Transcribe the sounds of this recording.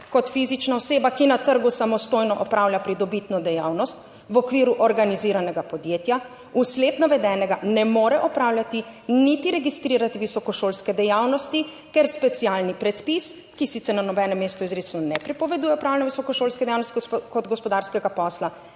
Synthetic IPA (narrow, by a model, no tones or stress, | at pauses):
kɔt̪fiːzit͡ʃnaɔseːbakinat̪əɾɡusamɔst̪oːjnɔʔɔpɾawlʲjapɾid̪ɔbit̪nɔd̪ɛjawnɔst̪ | ʋɔkʋiːɾuʔɔɾɡaniziɾanɛɡapɔd̪jeːt̪ja | usleːt̪naʋɛd̪ɛːnɛɡanɛmoːɾɛʔɔpɾaːwlʲjat̪init̪iɾɛɡist̪ɾiɾat̪iʋisɔkɔʃoːlskɛd̪ɛjawnɔst̪i | kɛɾspɛt̪sialnipɾɛt̪pis | kisit̪sɛɾnanɔbɛnɛmːeːst̪uizɾesnɔnɛpɾipɔʋɛd̪uːjɛɔpɾawlɛnɔʋisɔkɔʃoːlskɛd̪ɛjawnɔst̪ikɔd̪ɡɔspɔd̪aɾskɛɡapɔːsla